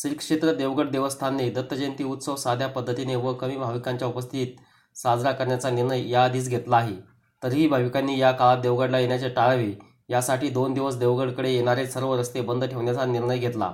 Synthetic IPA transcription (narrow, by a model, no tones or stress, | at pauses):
siɾkʂet̪ɾəd̪eʋɡəɽd̪eʋəst̪ʰanːiːd̪ət̪ːəd͡ʑent̪iːut̪səʋsad̪ʱjapəd̪ʱːət̪ineʋəkəmiːbʱaʋikaɲt͡ɕjaupəst̪ʰiːt̪̚ | sad͡zɾakəɾɳjat͡saniɾɳəjjad̪iːt͡sɡʱet̪laːɦe | t̪əɾɦiːbʱaʋikanːiːjakalad̪eʋɡəɽlajeɳjat͡seʈaɭʋiː | jasaʈiːd̪ond̪iʋəsd̪eʋɡəɽkəɽejeɽ̃aɾesəɾʋəɾəst̪ebənd̪ʱʈʰeʋɳjat͡saniɾɳəjɡʱet̪la̰